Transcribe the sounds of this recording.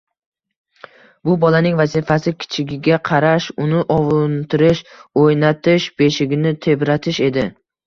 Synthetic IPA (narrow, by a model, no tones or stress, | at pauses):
bʊbɒlanɪŋvazɪfasɪkʲʰɪ̥t͡ʃʰɪɡʲɪɡʲaqʰɑɾaʃʊnɪʔɒvʊnt̪ʰɪɾɪʃojnat̪ʰɪʃbe̞ʃɪɡʲɪnɪt̪ʰe̞bɾat̪ʰɪʃe̞d̪ɪ